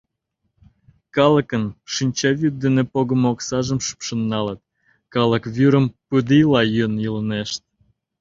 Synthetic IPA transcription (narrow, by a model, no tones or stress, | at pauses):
kɑləkənʃinʲt͡ɕɑβyt̪̚d̪enepoɣəmoksɑʒəmʃy̥pʃə̆nːɑlət̪̚ | kɑlə̆kβyɾəmpud̪ilɑjønjələneʃt̪̚